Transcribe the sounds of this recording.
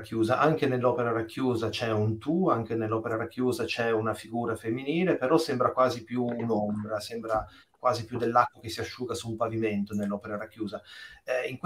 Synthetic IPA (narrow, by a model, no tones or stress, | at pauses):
kʰːjuːzaʔaŋk̟enelːɔːpeɾaɾakːjuːzat͡ʃɛunt̪uaŋkenelːɔːpeɾaɾakːjuːzat͡ʃɛunafiɡuːɾafemːiniːlepeɾɔsɛmbɾakwaːzipjuːnɔmbɾasɛmbɾa | kwaːzipjud̪ːelːakːokesːiaʃːuːɡasumpaviment̪onelːɔːpeɾaɾakːjuːzaɛiŋk